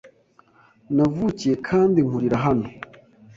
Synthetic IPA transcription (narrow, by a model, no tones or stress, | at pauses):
navucije̞kʰaːndiŋhuɾiɾaɦano